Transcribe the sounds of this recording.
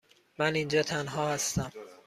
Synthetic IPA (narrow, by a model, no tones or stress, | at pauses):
mænind͡ʒɒːt̪ʰænɦɒːhæst̪æm